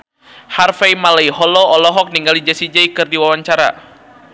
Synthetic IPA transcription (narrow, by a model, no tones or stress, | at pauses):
harfajmalaiɦɔlɔɔlɔɦɔk̚niŋɡalid͡ʒasid͡ʒaikɨrdiwawaɲt͡ʃaɾa̰